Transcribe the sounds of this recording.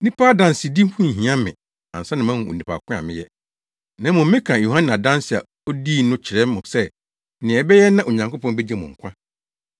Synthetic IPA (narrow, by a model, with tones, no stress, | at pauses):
nĩ˦pʰa˦dã˨n˨sɪ˨di˦hũ˦˨ɦĩ˨ã˦mɪ̃˨ | ã̰˨n̩˨sa˦nɪ̃˨mã˦nʊ̃˨o̰˨nĩ˨pʰa̰˨kʰʷʊ̃˦a̰˨mɪ̰̃˦jɛ˦ | nã˨˦mʊ̃˨m̩˦mɪ̃˦kʰã˨ju˨hã˦n˨a˨dã˦n˦sɪ˨a̰˨ | o˦di˦˨nʊ̃˦t͡ɕʰɪ˨ɾɛ˦m˦mʊ̃˨sɛ˦˨ | nɪ̃˨ɛ˨bɛ˦jɛ˦nã˦ʔo˨ɲã˨ŋko˦pʰɔ̃˦n˦bɛ˦d͡ʑɛ˦mʊ̰̃˨ŋ̩˨kʷʰã˦